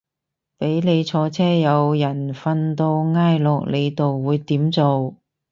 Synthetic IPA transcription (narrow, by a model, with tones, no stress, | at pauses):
pe˨˥jle˨˧jt͡sʰɔː˨˧t͡sʰɛː˥jɐ˨˧wjɐ˨˩nfɐ˧nt̪o˧wŋaː˥jlɔː˨k̚le˨˧jt̪o˨wːuː˨˧jt̪iː˨˥mt͡so˨w